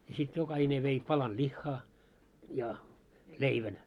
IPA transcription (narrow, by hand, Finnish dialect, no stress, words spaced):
jɑ sit jokɑhine ʋei pɑlɑn lʲixːɑ jɑ leiʋæn